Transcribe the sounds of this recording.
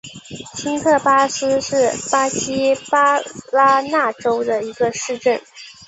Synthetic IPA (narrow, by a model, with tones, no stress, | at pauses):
t͡ɕʰi˥ŋk̪ʰɤ˥˩pa˥sɹ̩˥ʂɻ̩˥˩pa˥ɕi˥pa˥la˥na˥˩ʈ͡ʂo˥ʊd̪ə˨i˧˥ɡə˧ʂɻ̩˥˧ʈ͡ʂə˥˩n